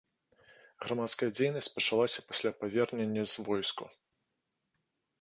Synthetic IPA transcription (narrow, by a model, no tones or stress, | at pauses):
ɣɾamat̪skɐjɐd͡zʲejnɐsʲt͡sʲpɐt͡ʂalˠasʲɐpasʲlʲapavʲɛrnʲenʲːɐzvɔjskṵ